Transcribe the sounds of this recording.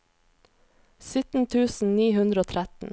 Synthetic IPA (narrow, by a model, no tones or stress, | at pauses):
sʏt̪n̩t̪ʰʉːsn̩niːhʉnd̪ɾəoːt̪ʰɾæt̪n̩